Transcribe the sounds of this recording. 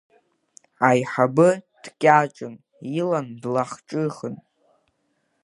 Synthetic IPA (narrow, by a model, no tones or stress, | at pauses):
ajħabɨd̥kʲʼaʈ͡ʂʼɨn | ilandlaχʈ͡ʂʼɨχən